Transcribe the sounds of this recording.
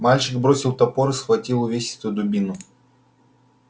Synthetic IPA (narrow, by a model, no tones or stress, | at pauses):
malʲt͡ɕɪɡbɾo̞sʲɪlˠt̪ɐpoɾɨsxvɐtʲilˠʊvʲeɕʲɪ̥st̪ʊjʊd̪ʊbʲinʊ